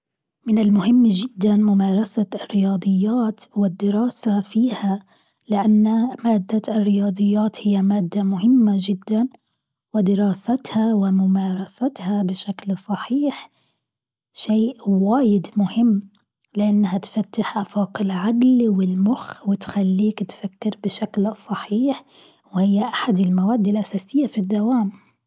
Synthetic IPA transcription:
mɪnɪlmʊhɪmːʒɪd̪ːanmʊmɑːɾˤɑsarːɪjɑːd̪ˤɨjːaːt̪wɪd̪ːɪɾɑːsafiːha | lɪʔanːmaːd̪ːarːɪjɑːd̪ˤɨjːaːt̪hɪjːamaːd̪ːamʊhɪmːad͡ʒɪd̪ːan | wɪd̪ɪɾˤɑːsat̪hawɪmʊmaːɾˤɑsat̪habɪʃaklsˤɑħiːħ | ʃeːʔwaːjɪd̪mʊhɪmː | lɪʔanːɦat̪fat̪ːaħʔafɑːqɪlʕaɡlwɪlmʊxwɪt̪xalːiːkt̪fakːɪɾbɪʃaklsˤɑħiːħ | wɪhɪjːaʔaħad̪ɪlmawaːd̪ːɪlʔasaːsɪjːafid̪ːawaːm

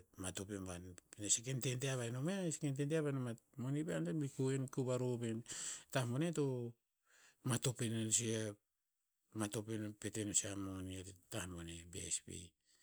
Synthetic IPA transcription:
matopembanpnasekententeaβaenomeaskententeaβanamamonibeandabikuenkuβaɾopentahmoneto | mato̞penonsia | mato̞penpetenosamoniattahmonebḛspḭ

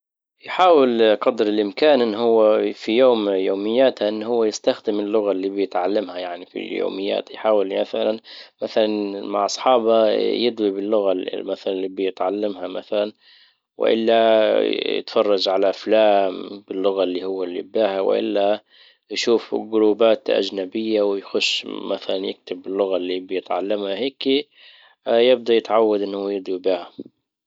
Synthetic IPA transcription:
jħaːwɪlqɑd̪ɾɪlʔɪmkaːnʔɪnːhʊwːafijoːmjoːmɪjːaːt̪haʔɪnːhʊwːajɪst̪axd̪ɪmɪlːʊɣalːiːbɪjɪt̪ʕalːamhajaʕnifḭljo̰ːmɪjːa̰ːt̪jħaːwɪlmaθalanmaθalanma̰ʕʔɑsˤħɑːbajɪd̪wibɪlːʊɣamaθalanlːiːbɪjɪt̪ʕalːamhamaθalan | wɪ̰ʔɪ̰lːa | jɪ̰t̪fɑrˤːɑd͡ʒʕalaʔflaːmbɪlːʊɣalːihʊwːalːibaːhawɪ̰ʔɪ̰lːa | jʃuːfɡʊɾuːbaːt̪ʔa̰d͡ʒnabɪjːawɪjxʊʃːmaθalanjɪ̰k̚t̪ɪbːɪlːʊɣalːiːbɪjɪt̪ʕalːamhaheːki | jɪb̚d̪ajɪt̪ʕawːad̪ʔɪnːhujɨd̪ˤwibiːha

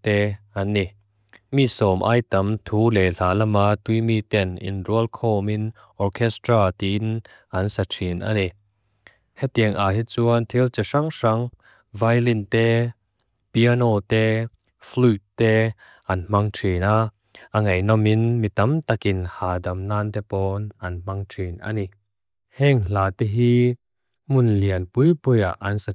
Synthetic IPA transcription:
t̪ɛːanːi | misɔːmʔa̰jtɐmt̪ʰuːlɛlaːlɐmaːt̪ujmiːt̪ɛnḭnruəlkʰɔːmin | ʔɔrkʰɛst̪ɾaːt̪in | ʔɐnsatʰinʔa̰ni | hɛt̚ːiəŋʔaːɦit͡suant̪ʰilt͡sɛʂaŋsaŋ | vajlint̪ɛː | piɐnɔːt̪ɛ | flutːɛ | ʔɐnm̥aŋtʰina | ʔɐŋɐjnɔminmit̪ɐmt̪ɐkɪnhaːdɐmnaːnt̪ɛpɔːnʔɐnm̥aŋtʰinʔa̰ni | hɛŋl̥aːt̪ɛɦi | mʊnliənpujpuja̰ʔɐnsa

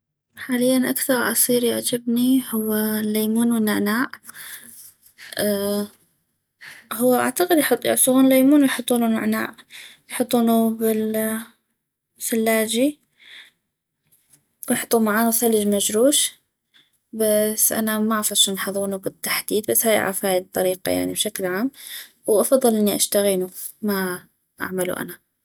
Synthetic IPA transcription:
ħaːlɪjːanʔakθɑɾˤʔɑ̰sˤiːɾjaʕd͡ʒabnihʊwːalːajmuːnwɪnːaʕnaːʔ | hʊwːaʔa̰ʕt̪aqɪd̪jħʊt̪ˤːjɪ̰ʕsˤuɣuːnlːajmuːnwjħʊt̪ˤːuːnuna̰ʕna̰ːʔjħʊt̪ˤːuːnubɪl | salːaːd͡ʒi | wjħʊ̥t̪ˤːumaʕaːnuwsalːɪd͡ʒmad͡ʒɾuːʃ | basːʔa̰namaʔɑfɑʃanħɑðˤuːnubɪt̪ːḁħd̪iːd̪̚basːhaːjʔa̰ʕafhaːjd̚t̪ˤːɑɾiːqɑ̰ja̰ʕnḭbʃaklʕaːm | wʔɑfɑðˤːɨlʔɪnːiʔaʃt̪aɣiːnuma | ʔa̰ʕmalṵʔa̰na

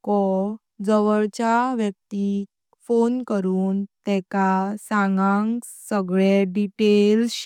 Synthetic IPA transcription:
kɔ | d͡zəʋəɭt͡ɕjaʋjək̚t̪i | fonkəɾuːnt̪ɛkasãŋɡãŋk | səɡɭɛɖiʈels

